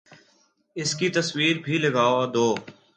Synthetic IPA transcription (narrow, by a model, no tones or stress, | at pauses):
ɪskit̪əswiːɾbʱiləɡaːʋad̪oː